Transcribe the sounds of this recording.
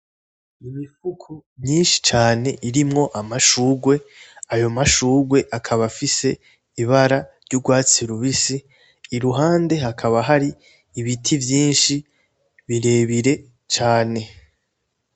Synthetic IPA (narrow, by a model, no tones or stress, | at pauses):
imifukʰumɲiːnʃi̥t͡ʃaːne̞ʔiɾimŋo̞ʔamaʃuːɡwe̞ajo̞maʃuːɡwe̞ʔakʰaβafise̞ | iβaɾaɾɟuɡwaːt͡siɾuβisiː | ɾuɦaːnde̞ɦakʰaβaɦaɾiː | βitʰivjiːnʃi | βiɾe̞ːβiɾe̞ | t͡ʃaːne̞